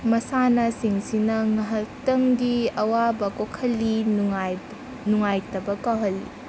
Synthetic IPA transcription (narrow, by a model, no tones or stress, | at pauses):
mɐsanɐsiŋsinɐŋɐɦɐltɐŋɡiɐwabɐkokʰɐlːi | nuŋajtɐbɐkawɦɐlːḭ